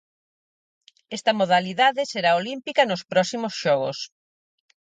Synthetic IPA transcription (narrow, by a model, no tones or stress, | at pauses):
ɛst̪ɐmoðaliðaðɪseɾaolimpikɐnospɾɔsimosʃɔɣo̰s